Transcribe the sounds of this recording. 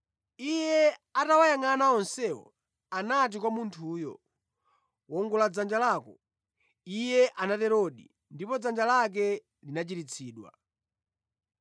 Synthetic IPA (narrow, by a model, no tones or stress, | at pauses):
ijɛatawajaŋanaɔnsɛwɔ̰ | anat̬ikwamuntʰuːjɔ̰ | wɔŋɡulad͡zand͡ʒalakɔ | ijɛʔanatɛɾɔɗḭ | ndipɔd͡zand͡ʒalak̬ɛ | linat͡ʃitit͡sʰiːɗwa̰